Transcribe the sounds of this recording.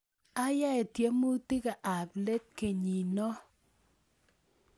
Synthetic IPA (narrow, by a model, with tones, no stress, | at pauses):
a˦ja˦ɛ˨tje˦mu˦ti˦ka˨ʔa˨ple˦t̚ke˨ɲi˨nɔ˦